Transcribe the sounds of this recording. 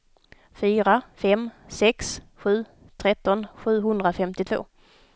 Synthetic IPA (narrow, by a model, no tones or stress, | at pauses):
fyːɾafɛmsɛksɧʉ̟ː | t̪ʰɾɛt̪ːɔnɧʉ̟ːɦɵnd̪ɾafɛmt̪ɪt̪ʰvo̰ː